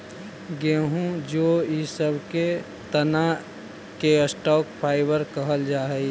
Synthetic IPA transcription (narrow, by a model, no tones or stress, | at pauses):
ɡeːɦũd͡ʒoːisəbʱke | t̪əna | keəsʈɔːkpʰaːɪbəɾkəɦəld͡ʒaːɦəi